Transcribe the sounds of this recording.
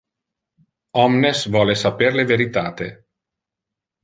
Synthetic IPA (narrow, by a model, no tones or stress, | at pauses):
ɔmnesvwɔːlesaperleveɾit̪aːt̪e